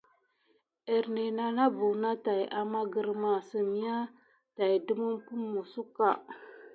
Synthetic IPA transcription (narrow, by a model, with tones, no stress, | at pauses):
e˨ɾne˨na˨na˦bu˨na˦ta˨jʔa˨ma˦ɡə˨ɾma˨sə˨mi˦ja˦ | ta˨i˨du˦mu˦mpu˦mːu˨su˦ka˨